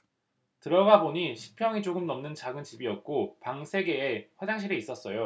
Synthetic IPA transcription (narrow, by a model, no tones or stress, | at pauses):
tɯɾʌɡaboɲiɕʰi̥pʰjʌŋit͡ɕoɡɯmnʌmnɯnt͡ɕaɡɯnt͡ɕibiʌt̚k͈opaŋsʰe̞ɡe̞ːɸwad͡ʑaŋɕʰiɾeis͈ʌs͈ʌjo